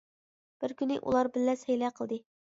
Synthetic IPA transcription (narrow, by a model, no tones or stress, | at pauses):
b̥ɪɾkʲynɪ̰ʔṵlˠɑɾbɪlːɛsɛjlɛqʰəlˠd̪ɨ